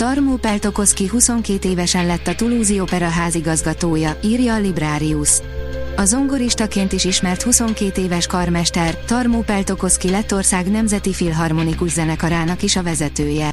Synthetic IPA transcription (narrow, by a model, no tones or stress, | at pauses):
t̪ɒrmuːpɛlt̪o̞ko̞skiɦuso̞ŋkeːt̪eːvɛʃɛnlɛt̪ːɒt̪uluːziopɛɾɒɦaːziɡɒzɡɒt̪oːjɒiːrjɒːlibraːɾius | ɒzo̞ŋɡoɾiʃt̪ɒkeːnt̪iʃiʃmɛrt̪huso̞ŋkeːt̪eːvɛʃkɒrmɛʃt̪ɛrt̪ɒrmuːpɛlt̪o̞ko̞skilɛt̪ːo̞rsaːɡnɛmzɛt̪ifilɦɒrmo̞nikuʒzɛnɛkɒɾaːnɒkiʃɒvɛzɛt̪øːjɛ